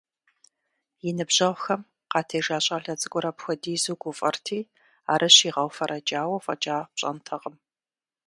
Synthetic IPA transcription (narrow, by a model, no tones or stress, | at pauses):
jɪnɨbʑɐʁʷxɐm | qɑːtʰɐjʒaːɕʼaːɮɐt͡sʼɨɡʷʼɔɾɐpxʷɔdiːzuɡʷʊfʼɐrtʰiː | aːɾʔɐɕiːʁɐwfɐɾʔɐd͡ʒaːwɐfʼɐ̰d͡ʒʼaːpɕʼɐ̰ntʰɐʁəm